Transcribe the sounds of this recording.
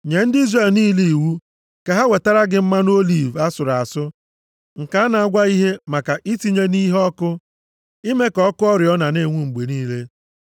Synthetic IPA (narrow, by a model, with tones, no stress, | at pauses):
ɲe˨n̩˦di˦zre˦˨lniː˦li˦i˨wu˦ | ka˨ɦa˦we˨ta˦ɾa˦ɡɪ˦m̩˦ma˦n˦o˦li˦˨va˦sʊ˨ɾa˨sʊ˦ | ŋ̩˨ka˨˦na˨a˦ɡʷa˦i˦ɦe˦ma˨ka˨ʔi˦ti˦ɲe˦ni˦ɦɔ˦kʊ˦ | i˦me˦kɔ˦kʊ˦ɔ˦ɾjɔ˦na˨ne˦˨ŋʷu˦ŋ͡m̩˨ɡ͡be˨niː˦le˦